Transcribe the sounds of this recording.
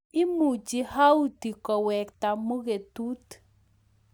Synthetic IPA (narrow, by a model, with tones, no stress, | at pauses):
ɪ˦mu˨d͡ʒi˦ha˦u˦ti˨kɔ˨wɛ˨kta˨mo˦ɣe˨tu˦t